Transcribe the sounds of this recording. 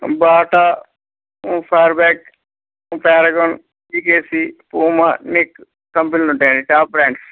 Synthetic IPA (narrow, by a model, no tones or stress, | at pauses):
baːʈa | pʰaːɾbɛːk̚ː | paːɾɐɡoːn | iːkeːsipuːmanikː | ɐmpinluɳʈɐjaːɳɖiʈaːp̚ːɾaːɳɖs